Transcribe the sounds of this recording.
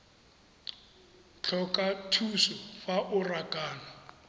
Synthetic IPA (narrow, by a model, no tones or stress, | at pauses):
t͡ɬʰɔkʼatʰusɔfaʔʊrakʼaːna